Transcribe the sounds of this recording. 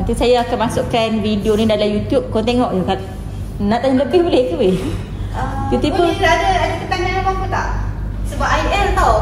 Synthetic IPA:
at̪isajaːkanmasʊʔkanvidionĩdalamjut̪jup̚kɔnt̪eŋɔʔjokat̪̚ | naʔt̪aɲaləbɪhbolɛhkuwe | jut̪upːunadaadəkət̪aŋaɾabapət̪aʔsəbapaiʔɛnt̪a

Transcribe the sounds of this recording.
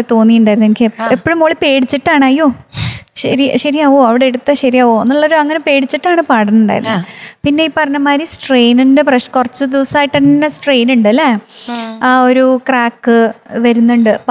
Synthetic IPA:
et̪o̞ːnːijuɳɖaːjɾnuenikʲːeepːoɻumoːɭipe̞ːɽit͡ɕːiʈːaːɳɐjːo̞ːɕɐɾiɕɐɾiɐʋoːɐʋiɽeeɽut̪ːɐɕɐɾiɐʋoenːuɭːoɾuɐŋːɐne̞pe̞ːɽit͡ɕːiʈːaːɳɨpaːɽɐnuɳɖa̰ːjiɾunːuðɨpinːeipːɐrɐɲːɐmaːɾisʈrejnindepreʂkurɐt͡ɕːɨd̪iʋɐsaːjiʈːɐnːɐsʈrejnuɳɖɐlːɐ | o̞ɾukraːkːɨʋɐɾunːuɳɖɨ

